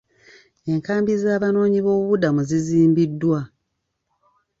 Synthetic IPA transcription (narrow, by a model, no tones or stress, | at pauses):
e̞ŋkaːmbizaːβano̞ːɲiβo̞ːβuβudamuziziːmbidːwa